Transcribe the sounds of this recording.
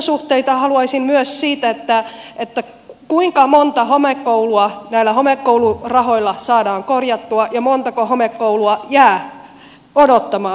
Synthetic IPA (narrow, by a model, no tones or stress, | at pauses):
suht̪eit̪ɑhɑluɑisimmyøssiːt̪æet̪ːæet̪ːæ | kuiŋkɑmont̪ɑhomekːouluɑnæilːæhomekːouwlurɑho̞ilːɑsɑːdɑːŋkorjɑt̪ːuɑjɑmont̪ɑkohomekːouluɑjæː | odot̪ːɑmɑː